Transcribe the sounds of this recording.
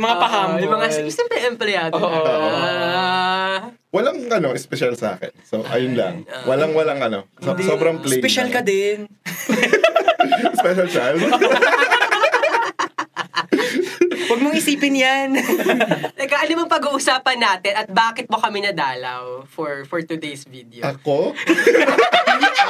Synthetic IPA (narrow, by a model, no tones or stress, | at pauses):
mɐŋapɐɦaʊmɐŋassɛmpɾɛʔɛmplɛjaːd̪oʔ | wɐlaŋʔɐnoʔɛspɛʃalsɐʔa̰ːkɛ̰nsoʔɐ̰jʊnlɐ̰ŋwɐlaŋwɐlɐŋʔɐnosobɾɐŋplɛpɛʃalkɐd̪ɛn | spɛʃɐlsl | wɐɡ̚moŋɪsiːpɪnjan | ɐkɐʔɐnʊmɐŋpɐɡuːʔʊsaːpɐnːaːt̪ɪnɐt̪̚baːkɪt̪̚mokɐmɪnɐd̪aːlɐ̰wfɔɹfɔɹt̪ʊd̪ejsviːd̪ɛoʔɐko